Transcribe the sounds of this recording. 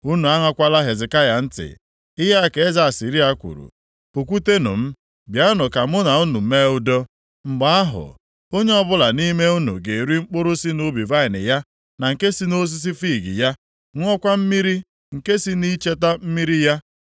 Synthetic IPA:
u˦nu˨a˦ŋʷa˦kʷa˦la˦ɦe˨zɪ˨ka˦ja˨n̩˦tɪ̰˨ | ɪ˦ɦa˦a˦ke˨e˦za˦˨a˨si˨ɾi˦a˦kʷṵ˨ɾṵ˨ | pu˨k̬ʷu˦te˦nʊ̰˨m̩˦ | bja˦nʊ˨ka˨mʊ˦na˨u˦nu˨˦me˦ʊ˦dɔ˦ | ŋ͡m̩˨ɡ͡ba˦a˦ɦʊ̰˨ | o˦ɲe˦ɔ˦bʊ˦la˨ni˦me˦u˦nṵ˨ɡe˨ɾi˦ŋ͡m̩˦k͡pʊ˦ɾʊ˦si˦no˦bi˨va˦ɪ˨nɪ̰˨ja˦ | na˨ŋ̩˨ke˦si˦no˦s̬i˦s̬i˦fi˦˨ɡḭ˨ja˦ | ŋʷɔ˦kʷa˦m̩˦mi˦ɾi˦ | ŋ̩˨ke˦si˦ni˦t͡ʃe˦ta˦m̩˦mi˦ɾi˦ja˦

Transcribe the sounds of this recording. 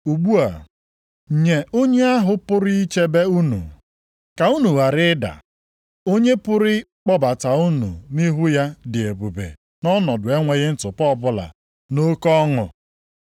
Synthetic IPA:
u˨ɡ͡bu˦a˨ | ɲe˨o˦ɲe˦a˦ɦʊ˦pʊ˦ɾɪ˦i˦t͡ʃe˦be˦u˦nṵ˨ | ka˨u˦nu˨wa˨ɾɪ˦da̰˨ | o˦ɲe˦pʊ˦ɾɪ˦k͡pɔ˦ba˨ta˨u˦nṵ˨ni˦ɦu˦ja˦dɪ˨e˨bu˨bḛ˨ | nɔ˦nɔ˨dʊ˨e˦ŋʷe˨ɣɪ˦n̩˦tʊ˨pɔ˦˨bʊ˦la̰˨ | no˦kɔ˦ŋʊ̰˨

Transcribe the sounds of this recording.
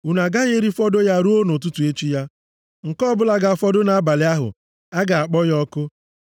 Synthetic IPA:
u˨na˨ɡa˦ɣe˦ɾi˦fɔ˦do˦ja˦ɾu˦o˦no˨tu˦tu˨e˦t͡ʃi˦ja˦ | ŋ̩˨kɔ˦bʊ˦la˨ɡa˨fɔ˦dʊ˦na˨a˦ba˨lɪ˦a˦ɦʊ̰˨ | a˦ɡa˨a˨k͡pɔ˦jɔ˦kʊ˦

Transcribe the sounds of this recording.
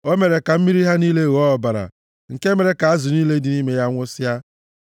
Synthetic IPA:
o˦me˨ɾe˨ka˨m̩˦mi˦ɾi˦ɦa˦niː˦le˦ɣɔ˦ɔ˨ba˨ɾa̰˨ | ŋ̩˨ke˦me˨ɾe˨ka˨a˦zʊ˨niː˦le˦di˨ni˦me˦ja˦ŋʷʊ˦sja˦

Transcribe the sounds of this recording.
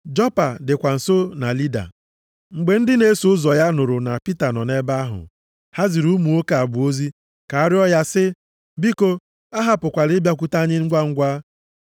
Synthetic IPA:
d͡ʒɔ˦pa˨dɪ˨kʷa˨n̩˨so˦na̰˨li˦da̰˨ | ŋ͡m̩˨ɡ͡be˨n̩˦dɪ˦ne˦sʊ˦zɔ˨ja˦nʊ˨ɾʊ˨na̰˨pi˦ta˨nɔ˨ne˦ba˦a˦ɦʊ̰˨ | ha˦zi˨ɾu˦mu˨o˦ka˨bʊ˨o˦zi˦ | ka˨a˦ɾɪ˦ɔ˦ja˦sɪ˦ | bi˦ko˦ | a˦ɦa˨pʊ˨kʷa˨ɾɪ˦bja˦k̬ʷu˦ta˦ɲɪ˦ŋ̩˦ɡʷa˦ŋ̩˦ɡʷa˦

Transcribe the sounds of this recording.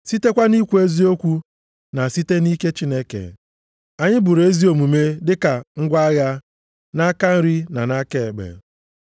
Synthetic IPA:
si˦te˦kʷa˦ni˦kʷu˦e˦zi˦o˦kʷu˦ | na˨si˦te˦ni˦ke˦t͡ʃi˦ne˦kḛ˨ | a˨ɲɪ˦bʊ˨ɾe˦zi˦o˨mu˨me˦dɪ˦ka˨ŋ̩˦ɡʷa˦ɣa˦ | na˦ka˦n̩˦ɾi˦na˨na˦ke˨ɡ͡bḛ˨

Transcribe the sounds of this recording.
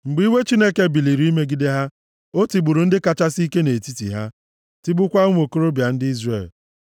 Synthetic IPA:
ŋ͡m̩˨ɡ͡bi˦we˦t͡ʃi˦ne˦ke˦bi˨li˨ɾi˨˦i˦me˦ɡi˦de˦ɦa˦ | o˦ti˨ɡ͡bu˨ɾu˨n̩˦dɪ˦ka˨t͡ʃa˦si˦ke˦ne˨ti˦tḭ˨ɦa˦ | ti˦bʊ˦kʷa˦ŋʷ˦o˨ko˦ɾo˦bja˨n̩˦dɪ˦i˦zre˨l

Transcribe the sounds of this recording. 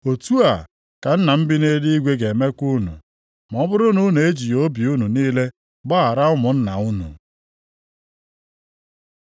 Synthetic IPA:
o˨tu˦a˨ | ka˨n̩˦na˨m̩˦bɪ˦ne˦di˦i˦ɡʷe˦ɡe˨me˦ku˦nṵ˨ | m˨ɔ˨˦bʊ˦ɾʊ˦nu˦n˨e˦d͡ʒi˨jo˦bi˨u˦nu˨niː˦le˦ | ɡ͡ba˦a˨ɾa˦ʊ˦mʊ˨n̩˦na̰˨ʊ˦nṵ˨

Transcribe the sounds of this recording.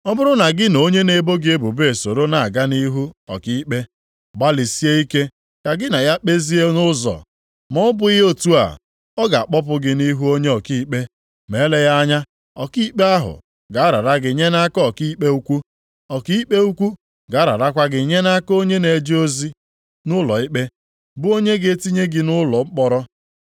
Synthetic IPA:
ɔ˦bʊ˦ɾʊ˦na˨ɡɪ˦no˦ɲe˦ne˨bo˦ɡɪ˦e˦bu˨be˦e˨so˨ɾo˦na˨ɡa˦ni˦ɦu˦ɔ˨ki˦k͡pe˦ | ɡ͡ba˦li˨si˦e˦i˦ke˦ | ka˨ɡɪ˦na˨ja˦k͡pe˦zi˦e˦nʊ˦zɔ̰˨ | mɔ˦ʊ˦bʊ˦o˦tu˦a̰˨ | ɔ˦ɡa˨a˨k͡pɔ˦p̬ʊ˦ɡɪ˦ni˦ɦu˦o˦ɲe˦ɔ˨ki˦k͡pe˦ | me˨˦le˦ja˦ɲa˦ | ɔ˨ki˦k͡pe˦a˦ɦʊ̰˨ | ɡa˨a˦ɾa̰˨ɾa˦ɡɪ˨ɲe˦na˦kɔ˦˨ki˦k͡pe˦u˦kʷu˦ | ɔ˨ki˦i˦k͡pe˦u˦kʷu˦ | ɡa˨˦ɾa̰˨ɾa˦kʷa˦ɡɪ˨ɲe˦na˦ko˦ɲe˦ne˨d͡ʒi˦o˦zi˦ | nʊ˦lɔ̰˨i˦k͡pe˦ | bʊ˦o˦ɲe˦ɡe˦ti˦ɲe˦ɡɪ˨nʊ˦lɔ˨ŋ͡m̩˦k͡pɔ˨ɾɔ˦

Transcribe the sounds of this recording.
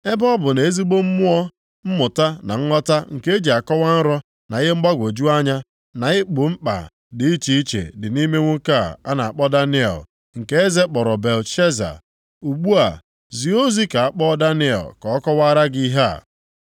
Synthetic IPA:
e˦bɔ˦bʊ˨ne˨e˦zi˦ɡ͡bo˦m̩˦mʊ˦ɔ˦ | m̩˦mʊ˨ta˦na˨ŋ̩˦ŋɔ˦ta˦ŋ̩˨ke˦e˦d͡ʒi˨a˨kɔ˦wa˦n̩˦ɾɔ˦ | na˨ɪ˦ɦe˦m̩˦ɡ͡ba˦ɡʷo˨d͡ʒu˦a˦ɲa˦ | na˨ɪ˦k͡pʊ˨m̩˦k͡pa̰˨ | dɪ˨i˦t͡ʃi˦i˦t͡ʃḛ˨dɪ˨ni˦me˦ŋʷu˦ka˦˨a˦na˨a˨k͡pɔ˦da˦nɪ˦ḛ˨l | ŋ̩˨ke˦e˦ze˦k͡pɔ˨ɾɔ˨be˨lʃe˦za̰˨ | u˨ɡ͡bu˦a̰˨ | zi˨o˦zi˦ka˨a˨k͡pɔ˦da˦nɪ˦ḛ˨lkɔ˨ɔ˦kɔ˦wa˦a˦ɾa˦ɡi˦ɦa̰˦˨

